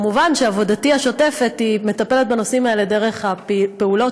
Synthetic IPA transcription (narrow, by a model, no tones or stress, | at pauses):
muvanʃeavo̞datiaʃo̞te̞fe̞t̪ime̞t̪ape̞let̪̚beno̞simaelede̞ʁe̞χhapeulo̞